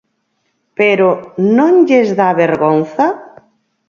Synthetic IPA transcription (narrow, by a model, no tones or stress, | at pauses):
peɾonõŋʎezðaβeɾɣonθɐ